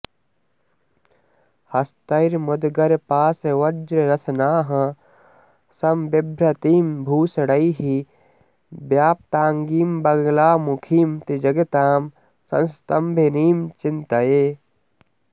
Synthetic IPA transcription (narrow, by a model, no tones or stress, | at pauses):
hɐst̪ɐɾmʊd̪ɡɐɾpaːseʋɐd͡ʒɾeɾɐsnaːɦɐ | sɐmbebʱɾɐt̪iːmbʱuːsɐɽɐiɦi | bjaːp̚t̪aːŋɡiːmbɐɡlaːmukʰiːmt̪id͡ʒɐɡɐt̪aːm | sɐ̰nst̪ɐmbʱeniːmt͡ʃɪnt̪ɐjeː